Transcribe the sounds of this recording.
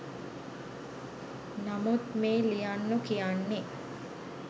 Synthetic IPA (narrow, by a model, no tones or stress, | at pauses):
namut̪meːlijanːukijanːe